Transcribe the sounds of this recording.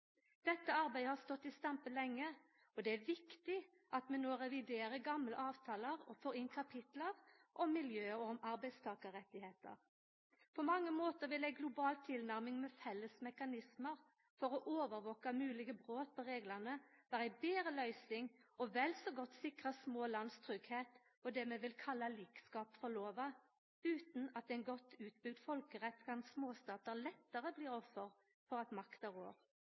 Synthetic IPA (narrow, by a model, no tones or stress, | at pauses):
d̪̥ɛt̪ːəɑɾbæɪd̪əhɑst̪ɔt̪ːɪst̪ɑmpəlɛŋːə | ɔd̪ɛæʋɪkt̪ɪ | ʔɑt̪mɛnoːɾɛʋɪd̪eːɾəɡɑmləʔɑːʋt̪ʰɑːləʁɔfoːɾɪnkʰɑpʰɪt̪ləʁʔɔmːɪljøːɔmɑɾbæɪd̪st̪ʰɑːkəɾɛt̪ːɪheːt̪ə̰ʁ | pʰɔmɑŋːəmoːt̪əɾʋɪlɛɡlʊbɑːlt̪ʰɪlnæʁmɪŋmɛfɛlːəsmɛkɑnɪsməʁ | fɔʁɔʔoːʋəɾʋɔːkɑmʉːlɪɡəbʁoːt̪̚pʰɔʁeːɡlənəʋ̥æːʁæbeːɾəlœʏsɪŋɔʋɛlsɔɡɔt̪ːsɪkʁəsmoːlɑnst̪ʰʁʏɡheːt̪ | ɔd̪ɛːmɛʋɪlkʰɑlːɑliːkskɑːpfɔʁloːʋɑ | ʉːt̪n̩ɑt̪ɛɪnɡɔt̪ːʉːt̪̚bʏɡd̪fɔlkəʁɛt̪ːkʰɑnsmoːst̪ɑːt̪əʁlɛt̪ːəʁəbliːʁɔfːəʁ | fɔʁɑt̪mɑkt̪əʁo̰ːʁ